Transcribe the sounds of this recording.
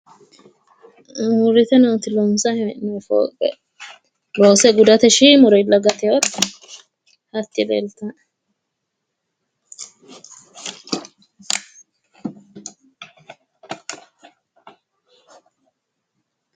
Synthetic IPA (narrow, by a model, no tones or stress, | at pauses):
hʊɾɪt̪ɛnoːt̪ɪlɔnsɐhnɛfo̰ːkʼɛ̰ | loːsɛɡʊd̪ɐt̪ɛʃimɔɾɔɪlːɐɡɐt̪ɛjot̪ː | hɐt̪ːɪlḛlt̪ɐ